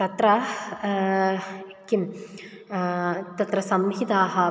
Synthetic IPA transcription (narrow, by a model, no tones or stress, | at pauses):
t̪ɐt̪ɾɐ | kim | t̪ɐt̪ɾɐsɐmɦid̪aːɦɐ